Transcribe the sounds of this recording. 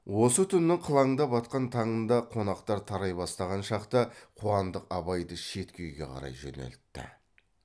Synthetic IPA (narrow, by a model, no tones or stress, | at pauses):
wo̞sət̪ʰʏnːɪɴqʰəlˠɑɴd̪ɑbɑt̪̚qɑnt̪ʰɑɴənd̪ɑqʰo̞nɑqt̪ɑɾt̪ʰɑɾɑjbɑst̪ɑʁɑnʃɑqt̪əqʰuɑnd̪əqɑbɑjd̪əʃe̞t̪kʲe̞wɡʲe̞̰qʰɑ̰ɾɑ̰jʒɵ̰nḛlt̪ːɪ̰